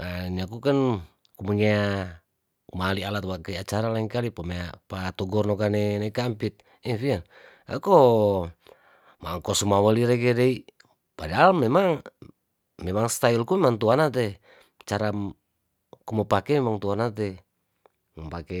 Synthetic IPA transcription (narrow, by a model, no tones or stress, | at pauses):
aniakukan | kuməŋia | malialat̪wakaiat͡ʃaɾalaiŋkalipamaapat̪ɔɡɔrnɔkanɛnakampit̪̚ | ɛfian | a̰ko | maŋkɔsumawəliɾekɛdai | padaalmːɛmaŋ | mɛmaŋst̪ailkumɛmaŋt̪uanat̪̬ɛ | t͡ʃaɾa | kuməpakɛmɛmaŋt̪uanat̪̬ɛ | məpakɛ